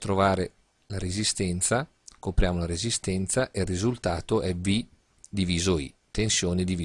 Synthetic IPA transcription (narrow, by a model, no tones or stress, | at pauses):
t̪ɾovaːɾe | laɾezist̪ɛnt̪sa | kopɾjaːmolaɾezist̪ɛnt̪saʔerːizult̪aːt̪oʔɛvi | d̪iviːzoḭt̪ensjoːned̪ivi